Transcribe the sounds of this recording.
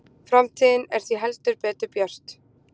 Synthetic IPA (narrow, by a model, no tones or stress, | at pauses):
fɾamt̪ʰiːðɪnɛɾ̥θiɦɛlt̪ʏɾpɛːt̪ʏɾpjœr̥t̪